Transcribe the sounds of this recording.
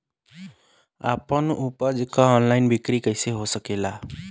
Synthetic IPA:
a̰pənupəd͡ʒkaɔnlaɪnbikɾikəɪseɦosəkela

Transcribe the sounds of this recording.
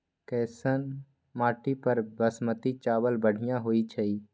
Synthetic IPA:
kɛːsən | maːʈipəɾbəsmət̪it͡ʃaːbəlbəɽ̤ɪjãɦoːit͡ʃʰəi

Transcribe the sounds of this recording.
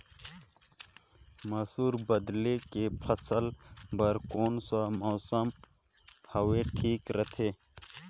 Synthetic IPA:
mɐsuːɾbɐd̪lekepʰɐsəlbɐɾkoːnsamoːsəm | hɐweʈʰiːkɾət̪ʰeː

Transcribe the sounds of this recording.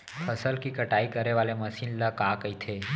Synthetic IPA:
pʰəsəlkikəʈaikəɾeʋaːleməsiːnləkakəit̪ʰe

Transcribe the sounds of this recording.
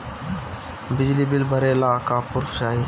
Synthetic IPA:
bɪd͡ʒliːbɪlbʱəɾelaːkaːpʊɾfʃaːɦiː

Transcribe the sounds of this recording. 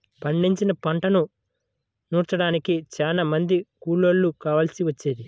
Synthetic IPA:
pɐɳɖiɲt͡ʃinɐpɐɳʈɐnu | nuːɾt͡ʃɐɽaːnikit͡ʃaːnamɐnd̪ikuːɭoɭːukaːʋɐlsiʋɐt͡ʃːeːd̪i

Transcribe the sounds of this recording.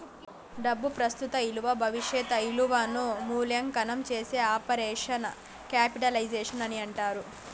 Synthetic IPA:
ɖɐbːupɾɐst̪ut̪ɐiluʋɐbʱɐʋiʂjɛt̪ɐiluʋanumuːljɐŋkɐnɐmt͡ʃeːseːaːpɐɾɛːʂɐnɐ | kaːpiʈɐlɐjd͡ʒeːʂɐnɐniɐɳʈaːɾu

